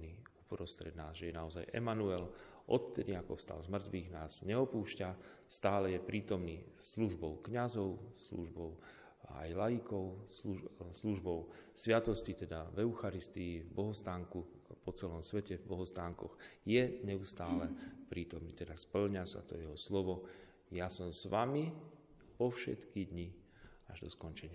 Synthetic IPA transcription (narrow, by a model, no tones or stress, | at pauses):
niupɾɔst̪ɾɛd̪naːzʒɛjɛnaɔza̰jʔɛ̰manuɛl | ʔɔt̪t̪ːɛd̪iakɔfst̪a̰lzmr̩t̪ʋiːɣnaːz̥ɲɛɔpuːʃcast̪aːlɛjɛpɾʔiːt̪ɔmniːsluʒbɔʊkɲazɔʊslṵʒbɔʊ | a̰jlajikɔʊlusluʒbɔʊsʋɪat̪ɔscit̪ɛd̪avɛuxaɾist̪iivbɔɦɔst̪aːŋku | pɔt͡sɛlɔmsʋɛcɛvbɔɦɔst̪aːŋkɔ̰ɣjɛɲɛust̪aːlɛpɾiːt̪ɔmniːt̪ɛd̪aspl̩ɲasa̰t̪ɔ̰jɛɦɔslɔʋɔ | jasɔmsʋami | pɔfʃɛ̰t̪kid̪ɲi | aʒd̪ɔskɔnt͡ʃɛɲɪa